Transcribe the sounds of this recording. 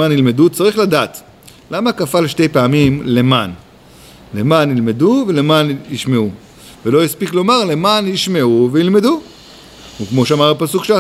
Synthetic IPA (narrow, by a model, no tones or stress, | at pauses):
anilme̞dut͡saʁiχladaːt̪ | lamakafalʃte̞jpeamimle̞man | lemanilme̞duve̞le̞maniʃme̞u | velo̞jispiklo̞maʁle̞manjiʃme̞uveilme̞d̪u | ukmo̞ʃeamaʁapasukʃea